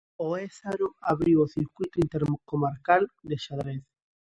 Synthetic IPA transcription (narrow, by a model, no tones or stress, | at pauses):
oesaɾoaβɾiwoθiɾkwujt̪oint̪eɾkomaɾkald̪eʃaðɾeθ